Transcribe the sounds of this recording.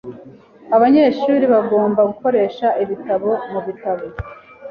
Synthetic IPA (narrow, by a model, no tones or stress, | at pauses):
aβaɲeʃuːɾiβaɡo̞ːmbaɡuko̞ɾe̞ːʃaʔiβitaβo̞muβitaβo